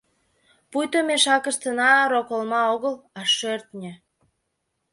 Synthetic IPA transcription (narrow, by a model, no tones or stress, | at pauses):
pujt̪omeʃɑkəʃt̪ənɑɾokolmɑoɣəlɑʃørt̪nʲĕ